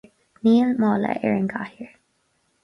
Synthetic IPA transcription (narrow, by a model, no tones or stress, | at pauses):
niːəlmɔːlə̰ʔɛɹənɡahəɹ